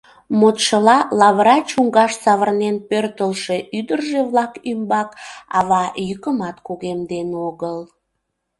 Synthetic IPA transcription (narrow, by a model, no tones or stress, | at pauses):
mot̪ʃəlɑlɑβəɾɑt͡ɕuŋɡɑʃsɑβərnenpørt̪əlʃe̽ʔyd̪ərʒeβlɑkymbɑkɑ̰βɑjykəmɑt̪kuɣemd̪enoɣəl